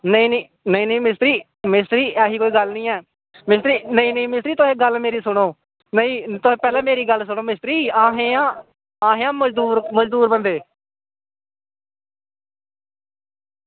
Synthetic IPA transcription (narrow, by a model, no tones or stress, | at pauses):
nəĩːnː | nəĩːnə̃ĩːmɪst̪ɾiː | mɪst̪ɾiːɛːɦiːkoːiːɡəlnəĩːɛː | mɪst̪ɾiːnəĩːnəĩːmɪst̪ɾiːt̪ʊɦẽːɡəlmeːɾiːsʊɽ̃oː | nəĩːt̪ʊɦeːpɛːlɛ̃ːmeːɾiːɡəlsʊɽ̃oːmɪst̪ɾiːaːɦeːãː | aːɦẽːãːməd͡ʒd̪uːɾməd͡ʒd̪uːɾbənd̪eː